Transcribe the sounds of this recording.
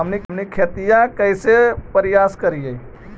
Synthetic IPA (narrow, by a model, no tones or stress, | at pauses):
əmnimnikʰet̪ijãkəɪsepəɾɪjaːskəɾije